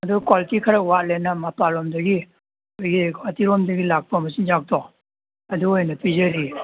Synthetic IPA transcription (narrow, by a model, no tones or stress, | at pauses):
ɐdukwalitikʰaɾawalɛnamapalɔmdəɡi | ɡikatiɾɔmdəɡilak̚pʰəmɐsind͡ʒak̚t̪ɔ | ɐd̪ujnapizəɾi